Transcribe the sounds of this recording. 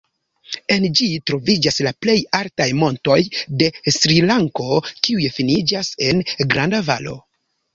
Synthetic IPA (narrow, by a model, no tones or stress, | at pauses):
e̞nd͡ʒitɾo̞vid͡ʒaslaple̞jaɾtajmo̞nto̞jde̞sɾilaŋko̞kiujefinid͡ʒase̞nɡɾandava̰lo̞̰